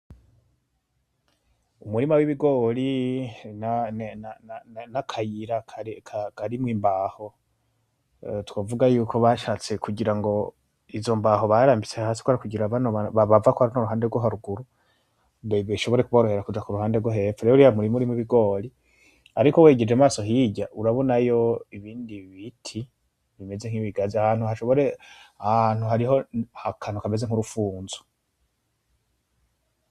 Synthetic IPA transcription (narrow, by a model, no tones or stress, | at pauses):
umuɾimawiβiɡo̞ːlinannannakʰajiɾakʰakʰakaɾimwiːmbaːho̞ | twaːvuɡajuːkʰo̞βaʃaːt͡se̞kuɟiɾaŋɡo̞ | izo̞mbaɦo̞βaɾaːmbit͡sehahaːsi̥kwaɾikuɟiɾaβaoaβaβavakohaɾanoɾuɦaːndeɾɡwoɦaɾuɡuɾu | βiʃo̞βo̞ɾe̞kuβaɾohe̞ɾakud͡ʒakuɾuhaːndeɾɡwoɦefeɾeouɾijamuɾimuɾimuβiɡo̞ːli | aɾikoweːɟe̞d͡ʒemaːso̞ɦiɟaʔuɾaβo̞najo̞iβiːndiβitʰi | βime̞ze̞ŋ̥iβiɡaziahaːn̥huhaʃo̞βo̞ɾeahaan̥huɦaɾiho̞hakʰanukameze̞ŋuɾufuːnzu̥